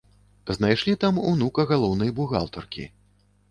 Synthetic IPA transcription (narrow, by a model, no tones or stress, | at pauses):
znajʂlʲit̪amuwnukɐɣalˠɔwnɨjɐbuɣa̰lˠt̪ɔrkʲḭ